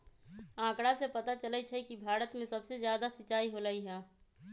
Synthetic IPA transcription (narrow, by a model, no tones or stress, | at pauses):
ãːkɽasepət̪at͡ʃələt͡ʃʰɛkibʱaːɾət̪mẽsəbsezjaːd̪asɪt͡ʃaːiɦolaiɦɛ̃ː